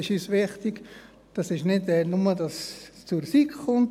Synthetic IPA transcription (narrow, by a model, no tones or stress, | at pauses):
ɪʃisʋɪχt̪ɪk | d̥ɑsɪʃnɪtɛnʊmədɑst͡suɾsikχʊnt